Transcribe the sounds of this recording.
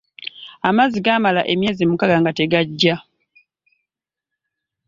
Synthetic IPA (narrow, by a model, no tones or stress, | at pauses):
amaziɡaːmalaʔe̞mje̞ːzimukaɡaŋɡate̞ɡaɟːa